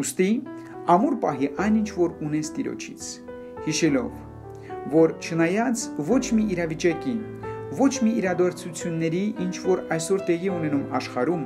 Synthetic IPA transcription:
ust̪i | ɑmuɾpɑɦiʔɑjnint͡ʃʰvɔɾunɛt͡sʰt̪iɾɔ̰t͡ʃʰḭt͡sʰ | hiʃɛlɔ̰vː | ɔɾt͡ʃʰənɑjɑt͡svɔt͡ʃʰmiʔːɾɑvit͡ʃɑkin | vɔt͡ʃʰmiːɾɑd̪ɑɾt͡sʰut͡sʰjunːɛɾiʔint͡ʃʰvɔɾɑjsɔɾt̪ɛʁiɛunɛnumɑʃχɑɾum

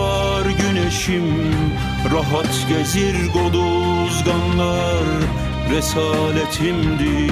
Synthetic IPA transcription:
ɑ | ɾɟynɛʃim | ɾɑɦat̪ɟeziɾɡod̪ˠu | zɡɑnlˠɑ | ɾ | ɾɛsaːlɛt̪ʰimd̪i

